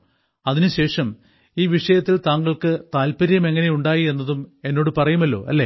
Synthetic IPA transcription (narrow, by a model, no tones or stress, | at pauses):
ɐðinɨɕe̞ːʂɐm | iːʋiʂɐjɐt̪ːilt̪aːŋɡɐɭkɨt̪aːlpɐɾijɐme̞ŋːɐne̞juɳɖaːjie̞nːɐðume̞nːo̞ːɽɨpɐrɐjumɐlːo̞̰ːʔɐ̰lːe